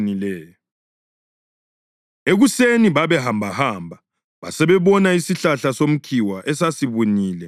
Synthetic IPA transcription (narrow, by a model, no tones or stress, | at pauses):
nilɛːjɔ | eɣuseniβaβɛɦambʱahambʱa | βa̰sɛβɛβɔnaisiɬaɬasom̩kʰiwaʔɛsasiβuniːlɛ